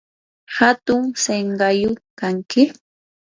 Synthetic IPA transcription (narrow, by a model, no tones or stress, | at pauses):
hat̪ʊŋseɴɢɑjʊkaŋkɪ